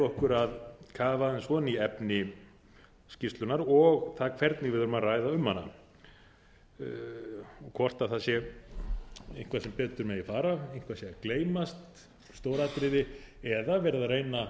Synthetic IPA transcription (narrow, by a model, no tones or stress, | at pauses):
ɔhkʏɾaðkʰaːvansvɔːðniɛpnɪ | scɪst̪lʏnaɾɔɣt̪ʰakʰvɛɾt̪nɪɣvɪðʏɾʏmaraːjðaʏmhanːa̰ | ɔkʰɔr̥t̪aθasjɛ | ejhŋ̥kvasɛmpɛːt̪ʏɾmɛðifaːɾaejn̥kʰvasjɛkleːjmast̪ | st̪oːwɾat̪ɾɪðɪɛðavɛːɾɪðareːjna